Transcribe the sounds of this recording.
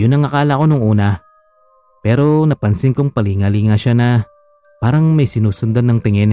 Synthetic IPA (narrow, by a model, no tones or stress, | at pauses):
jʊnːɐŋɐkaːlɐko̞noŋʔuːnɐ | pɛːɾo̞nɐpɐnsɪŋkʊŋpɐliŋaliŋaʃanɐ | paːɾɐŋmɐjsɪnuːsʊnd̪anːɐŋt̪ɪŋɪn